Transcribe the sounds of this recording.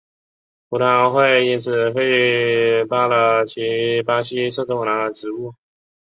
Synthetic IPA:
pu˧˥na˧˥ŋxwe˥˧ɪi˥nt͡sʰɹ̩˥˩fe˥ɪ | pa˥lə˧˩t͡ɕʰi˧˥pa˥ɕi˥sɤ˥˧ʈ͡ʂ̪ʊ˥˩ŋla˧˥ʈ͡ʂɻ̩˧˥˦u˥˩

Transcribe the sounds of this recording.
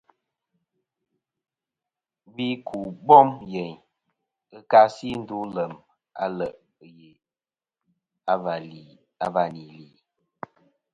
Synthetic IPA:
bi˦kʰu˨bɔ˦mje˨ɲ | ɨ˦ka˦si˦n̩˦du˨˦lə˨m | a̰˦lə˨ʔ | je˨ | a˨v | a˦˨va˨ni˨li˨

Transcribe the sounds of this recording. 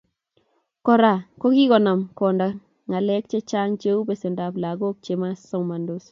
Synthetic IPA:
kɔ˨ɾa˨ko˦ki˦kɔ˨na˨mkɔ˨nda˨ | ŋa˨lɛ˦k̚t͡ʃe˦t͡ʃa˦ŋt͡ʃe˦u˦pe˨se˨ndapla˨ɡo˦k̚t͡ʃema˦sɔ˦wma˨ndos

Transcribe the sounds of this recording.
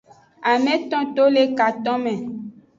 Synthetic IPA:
a˨mɛ̃˦t̪ɔ̃˦t̪o˦le˦ka˨t̪ɔ̃˦mɛ̃˨

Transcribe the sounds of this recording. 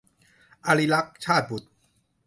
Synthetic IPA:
ʔa˧li˧la˦˥k̚t͡ɕʰaː˥˩t̪̚bu˨˩t̪̚

